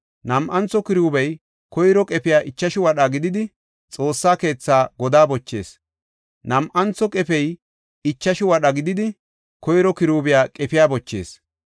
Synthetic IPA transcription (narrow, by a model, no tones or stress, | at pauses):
nɐmʔɐnt͡sɔkɪɾuːbɐj | kɔjɾɔkʼɛpɪjaːʔɪt͡ʃːɐʃɪwɐɗaɡɪd̪ɪd̪ɪ | t͡sʼo̞ːsːaːke̞ːt͡sːaːɡɔd̪aːbɔt͡ʃːe̞̰ːs | nɐmʔɐnt͡sːɔkʼɛpɛj | ɪt͡ʃːɐʃɪwɐɗɐɡɪd̪ɪd̪ɪ | kɔjɾɔkɪɾuːbɪjaːkʼɛpɪjaːbɔt͡ʃːe̞̰ːs